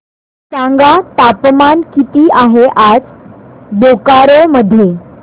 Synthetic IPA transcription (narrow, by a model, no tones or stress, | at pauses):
sãŋɡat̪apmankit̪iːʔaɦeʔad͡zɖ̪okaɾoməd̪ʱːje